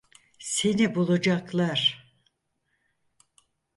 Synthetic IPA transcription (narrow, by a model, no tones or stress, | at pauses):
senibulˠud͡ʒaklˠaɾ̥